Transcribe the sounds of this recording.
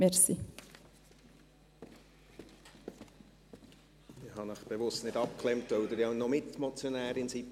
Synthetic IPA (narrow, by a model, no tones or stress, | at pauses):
ɛɾsi | ɪhɑnəχb̥evʊstnɪdɑp̚kʰlɛmtʋœʊd̪əɾjanɔmɪtmɔt͡sjonæːɾɪnsip